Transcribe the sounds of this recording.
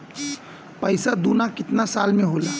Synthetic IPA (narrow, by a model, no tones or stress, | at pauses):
pɐɪsad̪uːnakɪt̪nasaːlmẽɦoːlaː